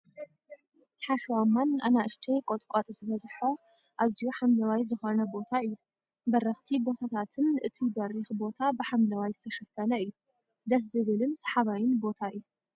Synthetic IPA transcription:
ħaʃwamːanʔa̰naʔɨʃt̪ʰejkʼot̪ʼkʼat̪ʼzɨβɐzħo | ʔazijuħamlɐwajzɨxonɐbo̞t̪ʰaɨjːu | bɐɾɐxt̪ʰibo̞t̪ʰat̪ʰat̪ʰɨnʔɨt̪ʰibɐrixbo̞t̪ʰabɨħamlɐwajzɨt̪ʰɐʃɐfɐnɐɨjːu | d̪ɐs̬zɨβɨlɨnsɐ̥ħaβajɪnbo̞t̪ʰaɨjːu

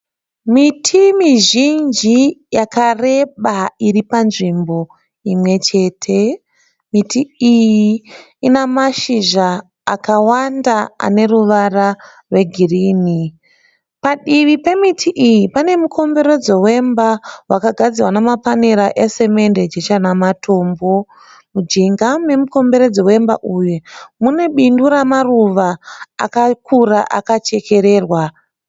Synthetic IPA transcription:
mitʰimiʒind͡ʒijakare̞ɓairipanʐimbo̞ | imwe̞t͡ʃe̞ːtʰe̞ | mitiiji | inamaʃiʒaː | kawandaa̰ne̞ruʋara | rwe̞ɡʱiriːni | paɗiʋipe̞mitʰiʔijipane̞mukʰo̞mbe̞ɾe̞d͡zo̞we̞mbawakaɡʱad͡ziwanamapaneɾaʔese̞me̞nde̞d͡ʒet͡ʃanamatʰo̞ːmbo̞ | mud͡ʒiŋɡane̞muko̞mbe̞ɾe̞d͡zo̞we̞mba̰ʔujumune̞ɓinduɾamaruʋa̰ːkakuraʔakat͡ʃe̞kʰe̞ɾe̞ːrwa

